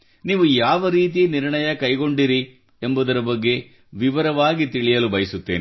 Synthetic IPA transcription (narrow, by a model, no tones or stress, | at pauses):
niːʋujaːʋɐɾiːt̪̬ijeniɾɳɐjɐkɐjɡo̞ɳɖiɾi | embud̪ɐɾɐbɐɡːe̞ | ʋiʋɐɾɐʋaːɡit̪iɭijɐlubɐjɐsut̪ːeːni